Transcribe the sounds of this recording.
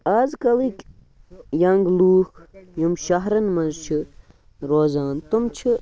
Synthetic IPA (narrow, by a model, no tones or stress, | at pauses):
aːzkɐlikʲ | jɐŋɡluːkʰjumʃɐɦɾɐnmɐnzt͡ʃʰi | ɾoːzaːnt̪umt͡ʃʰi